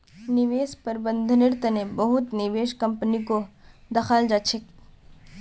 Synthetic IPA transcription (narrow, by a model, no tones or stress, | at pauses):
nɪʋeːspɐɾbə̃nd̪ʱnɪɾt̪ənebɐɦʊt̪nɪʋeːʃkɐ̃mpənikod̪ɐxaːld͡ʒaːt͡ʃʰek